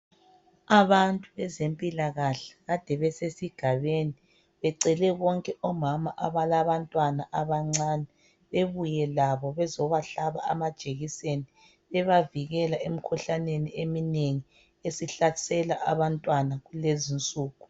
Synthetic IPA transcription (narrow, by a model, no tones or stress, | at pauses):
aβantʼuβɛzempʼilaɣaɬḁɣad̥ʱɛβɛsesiɡ̥ʱaβeni | βɛǀɛlɛɣɔŋkʼɛɔmamaʔaβalaβantʼwanaʔaβaŋ͡ǀaːnɛ | βeβujɛlaβɔβɛzɔβaɬaβaamad̥ʒ̥ʱeɣiseni | βɛβaviɣɛlaemikʰuɬaneniemineŋi | esiɬḁsɛlaʔaβantʼwanaɣulezint͡sʼuːɣu